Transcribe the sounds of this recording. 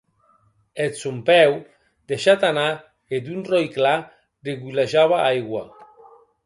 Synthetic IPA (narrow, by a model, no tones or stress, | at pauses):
esumpɛw | d̪eʃat̪ana | ed̪unrojkla | reɣulaʒaβaʔajɣwa